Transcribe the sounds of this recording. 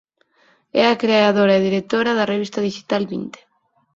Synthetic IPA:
ɛ̰akɾeaðoɾaeðiɾek̚t̪oɾaðareβ̞ist̪aðiʃi̥t̪alβḭnt̪e̥

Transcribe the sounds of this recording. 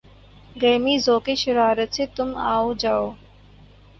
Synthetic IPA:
ɡeːmiːzoːkeʃɪɾaːɾət̪set̪ʊmaːod͡ʒaːoː

